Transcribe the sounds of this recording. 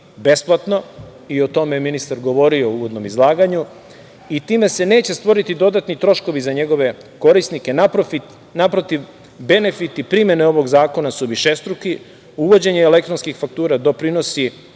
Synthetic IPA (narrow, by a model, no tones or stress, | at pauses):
be̞splˠat̪no̞ | io̞t̪o̞meminist̪aɾɡo̞ʋo̞ɾio̞uʋod̪no̞mizlˠaːɡaɲu | it̪iːme̞se̞ne̞ːt͡ɕest̪ʋo̞ɾit̪id̪o̞d̪at̪nit̪ɾo̞ʃko̞ʋizaɲe̞ɡo̞ʋe̞ko̞ɾisnike̞napfit̪ | napɾot̪iʋ | be̞ne̞fit̪ipɾimje̞neo̞ʋo̞ɡzaːko̞nasuʋiʃest̪ɾuki | uʋo̞d͡ʑe̞ɲeːlek̚t̪ɾonskixfak̚t̪uːɾad̪o̞pɾino̞si